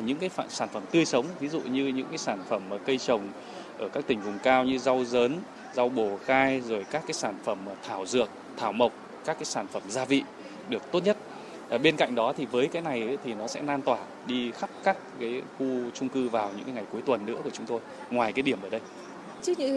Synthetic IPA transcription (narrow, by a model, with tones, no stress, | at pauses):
ɲɨ̰˧˥ŋkaː˨˦j̰saː˧˩nfə˧˩mt̪ɨ˧əjsə˨˦wŋ͡mvi˨˦zṵ˧˨ɲɨ˧ɲɨ̰˧˥ŋkaː˨˦jsaː˧˩nfə˧˩mː˨˩kə˧jt͡ɕə˨˩wŋ͡m | ʔəː˧˩kaː˦˥k̚t̪ï˨˩vʊ˨˩ŋ͡mkaː˧wɲɨ˧za˧wzəː˨˦n | za˧wɓo˧˩xaː˧jzo˨˩jkaː˦˥kːaː˨˦jsaː˧˩nfə˧˩mː˨˩t̪ʰaː˧˩wzɨ˨˩ək̚t̪ʰaː˧˩wmə˨˩wk͡p̚ | kaː˦˥kːaː˨˦jsaː˧˩nfə˧˩mzaː˧vḭ˧˨ | ɗɨ˨˩ək̚t̪o˦˥t̚ɲə˦˥t̚ | ʔːɓe˧nka̰˧˨jŋ̟ɗɔ˨˦t̪ʰi˨˩vəː˨˦jkaː˨˦jna˨˩jt̪ʰi˨˩nɔ˨˦sɛ̰˧˥naː˧nt̪waː˧˩ | ɗi˧xa˦˥p̚ka˦˥k̚ːaː˨˦jxu˧t͡ɕʊ˧ŋ͡mkɨ˧vaː˨˩wɲɨ̰˧˥kaː˨˦jŋa˨˩jku˨˦əjt̪wə˨˩nːɨ̰˧˥əku˧˩t͡ɕʊ˨˦ŋ͡mt̪o˧j | ŋwaː˨˩jkaː˨˦jɗi˧˩əmʔəː˧˩ɗə˧j | t͡ɕɨ˦˥ɲɨ̰˧˥